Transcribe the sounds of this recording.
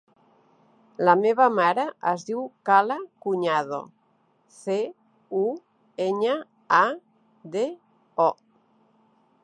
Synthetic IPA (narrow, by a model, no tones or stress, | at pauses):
lameβamaɾaʔəzðiwkalakuɲaðo̰ | θe | u | eɲa | a | d̪e | ɔ